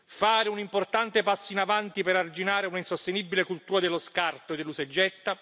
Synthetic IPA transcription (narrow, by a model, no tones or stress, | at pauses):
faːɾeunimport̪ant̪epasːinavant̪ipeɾard͡ʒinaːɾeunainsost̪enibːilekult̪uːɾad̪elːoskart̪od̪elːused͡ʒːɛt̪ːa